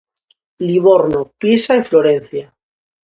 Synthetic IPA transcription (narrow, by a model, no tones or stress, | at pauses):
liβoɾnopjesaifloɾen̟θja